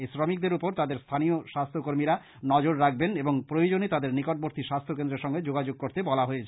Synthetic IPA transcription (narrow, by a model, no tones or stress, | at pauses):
esɾɔmik̚d̪eɾupoɾt̪ad̪eɾst̪ʰanioʃast̪ʰokoɾmiɾa | nɔd͡ʑoɾːak̚beneboŋpɾojod͡ʑonet̪ad̪eɾnikoʈ̚boɾt̪ʰiʃast̪ʰokend̪ɾeɾʃɔŋɡed͡ʑoɡad͡ʑoɡ̚koɾt̪ebɔlaɦoet͡ɕʰe